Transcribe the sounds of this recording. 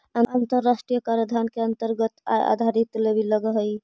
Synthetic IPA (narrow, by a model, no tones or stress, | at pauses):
aant̪əɾːasʈɾijəkaɾjəd̪ʱankeənt̪əɾɡət̪a̰d̪ʱaɾit̪lebiləɡəɦəj